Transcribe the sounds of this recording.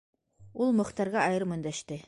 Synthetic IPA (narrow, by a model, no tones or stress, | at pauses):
ulˠmɤ̆χt̪ɑɾʁɑɑjɤɾmɵ̆nd̪æʃt̪ɘ